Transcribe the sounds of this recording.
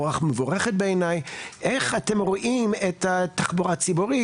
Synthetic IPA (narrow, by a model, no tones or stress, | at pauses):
oaχmevoʁeχet̚beːnajʔeχatemʁoʔimethataχboʁat͡sibuʁi